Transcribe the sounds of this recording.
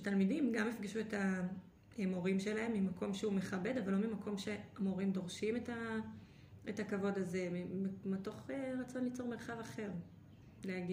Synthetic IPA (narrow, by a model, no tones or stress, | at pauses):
talmidimɡamefɡiʃueta | emo̞ʁimʃe̞lae̞mːimakʰo̞mʃeume̞χabe̞davalomimako̞mʃe̞amo̞ʁimd̪o̞ʁʃimeta | etakavo̞daze̞meto̞χeʁat͡so̞nlit͡so̞ʁmeʁχavaχe̞ʁ | leaɡi